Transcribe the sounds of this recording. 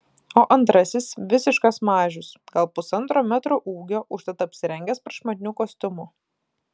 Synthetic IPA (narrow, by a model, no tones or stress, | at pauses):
oːʔɐnt̪ɾɐsʲɪsʋʲɪsʲɪʃkɐsmɑːʒʲʊsɡɐlˠpʊsɐnt̪ɾoːmʲæt̪ɾoʔuːɡʲoːʔʊʃt̪ɐt̪ɐpʲsʲɪɾʲɛŋʲɡʲɛspɾɐʃmɐd̪ʲɪnʲuːkoːsʲt̪ʲʊmʊ